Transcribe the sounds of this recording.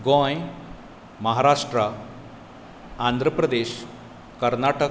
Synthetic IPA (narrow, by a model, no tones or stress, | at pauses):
ɡõj | məɦaɾaʂʈɾə | and̪ʱɾəpɾəd̪eɕ | kəɾnaʈə